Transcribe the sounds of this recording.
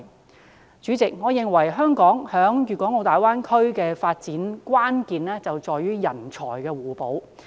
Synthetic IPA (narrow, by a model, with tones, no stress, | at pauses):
t͡ʃyː˨˥t͡sɪ˨k̚ŋɔː˨˧jɪ˨ŋwɐ˨˩jɦœː˥ŋkɔː˨˥ŋhœː˨˥ŋɥyː˨kʷɔː˨˥ŋo˧wt̪aː˨˩jwaː˥nkʰɵ˥ɥkɛː˧faː˧t̚t͡siː˨˥nkwaː˥nkiː˨nlɛː˥t͡sɐ˨wt͡sɔː˨jyː˥jɐ˨˩nt͡sʰɔ̰ː˨˩jkɛː˧wuː˨˩po˨˧˥w